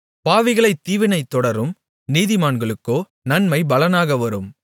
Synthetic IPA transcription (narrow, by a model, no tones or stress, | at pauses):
paːʋɪɣɐɭɐɪt̪ːiːʋɪnɐɪt̪ːɔɽɐɾɯm | niːðɪmaːɳɡɐɭɯkːoː | nɐnmɐɪbɐlɐnaːɣɐʋɐɾɯm